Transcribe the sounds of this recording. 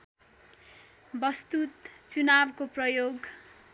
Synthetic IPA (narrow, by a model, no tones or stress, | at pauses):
bʌst̪ut̪t͡sunabkoprʌjoɡ